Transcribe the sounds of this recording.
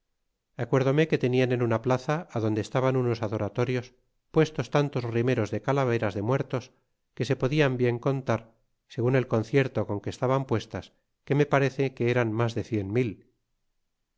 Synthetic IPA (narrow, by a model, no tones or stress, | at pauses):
akwe̞ɾðo̞me̞ke̞t̪e̞niane̞nunaplaθaːðo̞nd̪eːst̪aβanuno̞saðo̞ɾat̪o̞ɾjo̞s | pwe̞st̪o̞st̪ant̪o̞zrime̞ɾo̞zðe̞kalaβ̞e̞ɾazðe̞mwe̞ɾt̪o̞s | ke̞se̞po̞ðiambje̞ŋko̞nt̪aɾ | se̞ɣune̞lko̞nθje̞ɾt̪o̞ko̞ŋke̞ːst̪aβampwe̞st̪as | ke̞me̞paɾe̞θekeeɾanmazðe̞θje̞nmil